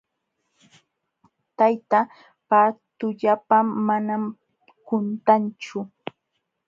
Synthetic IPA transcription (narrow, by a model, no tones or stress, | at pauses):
t̪ajt̪a | pat̪ʊʎapamːanam | kʊnt̪ant͡ʃʊ